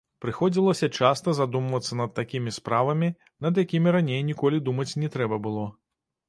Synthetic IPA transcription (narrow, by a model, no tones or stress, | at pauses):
pɾɨxɔd͡zʲilˠɐsʲɐt͡ʂast̪ɐzad̪umvɐt̪sːɐnɐt̪ːakʲimʲispɾavɐmʲi | nɐd̪jakʲimʲiɾanʲejnʲikɔlʲid̪umɐt͡sʲnʲɛt̪ɾɛbɐbɨlˠɔ